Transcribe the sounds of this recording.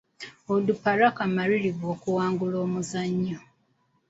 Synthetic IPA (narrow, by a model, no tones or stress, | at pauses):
odupaɾakamaɾiɾiɡoːkuwaːŋɡuloːmuzaɲːo